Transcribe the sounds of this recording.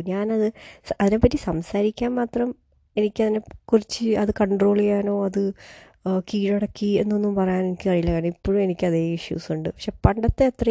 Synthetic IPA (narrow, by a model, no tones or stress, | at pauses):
ɲaːnɐðɨɐðine̞pːɐtːisɐmsaːɾikʲːaːnmaːt̪rɐm | e̞nikʲːɐðinekurit͡ɕːɨɐðɨkɐɳɖro̞ːɭijaːno̞ːɐðɨ | kiːɻɐɽɐkːie̞nːo̞nːumpɐrɐjaːne̞nikʲːɨkɐɻijilːɐkaːɳipːoːɻume̞nikʲːɐðeːiʂjṵːsuɳɖɨpɐkʂe̞ːpɐɳɖɐt̪ːe̞ːt̪rɐ